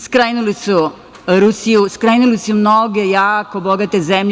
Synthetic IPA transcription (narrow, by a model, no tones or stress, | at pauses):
skɾeːnulisu | ɾusijuskɾeːnulisumnoɡejaːkoboɡat̪ezemʎ